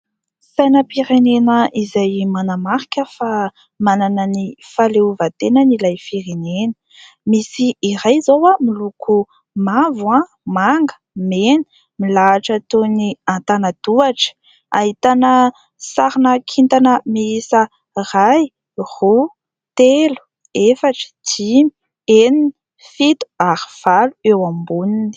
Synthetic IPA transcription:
sajnəpiɾenenəizajmanamaɾikʲəfa | mananənifaleuvat̪enənilajfiɾenenə̥ | misiːrajzowamiluku | mavwã | maŋɡə̥ | meni̥ | milaːʈ͡ʂət̪oniant̪anad̪uaʈ͡ʂə̥ | a̰ɦit̪anə | saɾinəkʰint̪anəmiisə | raj | hu | t̪elu̥ | efaʈ͡ʂə̥d͡ʒimi | enini | fit̪u̥aɾiv̥aluewambunini̥

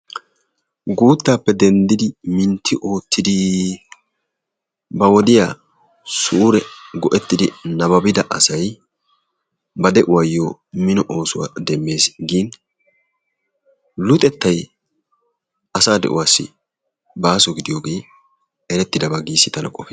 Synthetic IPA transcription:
ɡuːt̪ːaːpːɛd̪ɛnd̪ɪd̪ɪmɪnt̪ʰːɪʔo̞ːt̪ːɪd̪ɪ | bɐwɔd̪ɪjaː | suːɾɛɡɔʔɛt̪ːɪd̪ɪnɐbɐbɪd̪ɐʔɐsɐj | bɐd̪ɛʔʊwɐjːoːmɪnɔʔo̞ːsʊwa̰d̪ɛmːe̞ːsɡiːn | lʊt̪ʼɛt̪ːɐj | ɐsaːd̪ɛ̰ʔʊ̰waːsːɪ̰ | baːsɔɡɪd̪ɪjoːɡe̞ː | ɛɾɛt̪ːɪd̪ɐbɐɡiːsːɪt̪ɐnɐkʼɔfe

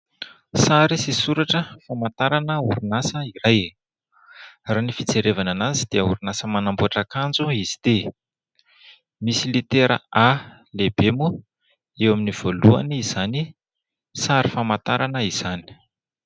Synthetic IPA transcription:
saɾisisuɾaʈ͡ʂəfamat̪aɾanəuɾunasəiraj | raːnifit͡seɾevananazid̪̥iəuɾunasəmanambuaʈ͡ʂakand͡zuizi̥d̪̥e | misilit̪eɾə̰a | lebemu | ewaminiv̥olua̰niiz̥ani | saɾifamat̪aɾanəiz̥ani̥

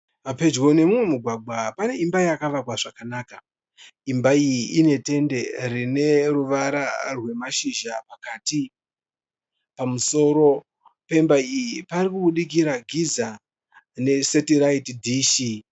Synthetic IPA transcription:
ape̞d͡ʒɡo̞ne̞mumwe̞muɡʱwaɡʱwapane̞imbaijakaʋakwaʐakanaːka | imbaijiine̞te̞nde̞rine̞ruʋaɾarwe̞maʃiʒapakaːti | pamuso̞ːɾo̞ | pe̞mbaijipaɾikuɓuɗik̬iɾaɡʱiza | ne̞setiɾaitdʱiːʃi

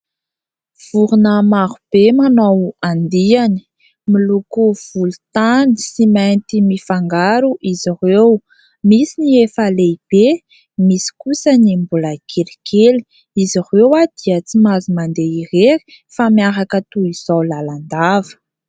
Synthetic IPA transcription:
v̥uɾunəmaɦub̥emanowand̪iani̥ | milukuv̥ulut̪ani̥simajnt̪imifaŋɡaɾuʔizirew | misiniefaleib̥e | misi̥kusənimbuləkʰeɾikʰeli̥ | izirewad̪̥iət͡simazimand̪eireɾi̥ | famiaɾakət̪uiz̥owlaland̪avə̥

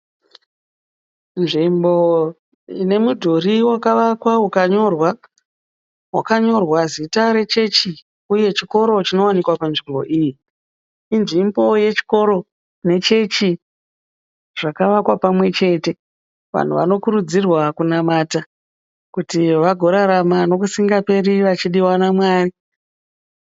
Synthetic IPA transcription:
nʐimbo̞ | ine̞mudʱoriwakaʋakwaukaɲo̞rwa | wa̰kaɲo̞rwazitaɾe̞t͡ʃe̞t͡ʃi | uje̞t͡ʃiko̞ɾo̞t͡ʃino̞wanikwapanʐimbo̞̰ʔiji | inʐimbo̞je̞t͡ʃi̥ko̞ɾo̞ | ne̞t͡ʃe̞t͡ʃi | ʐ̥akaʋakwapamwe̞t͡ʃe̞te̞ | ʋa̰n̤uʋa̰no̞kuɾud͡zirwakunamaːta | kutiʋaɡʱo̞ɾaɾamano̞k̬usiŋɡape̞ɾiʋat͡ʃiɗiwanamwaːri

